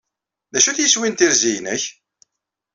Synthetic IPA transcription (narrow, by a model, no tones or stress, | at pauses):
ðæʃuθjəswint̪iɾzijnə̰ç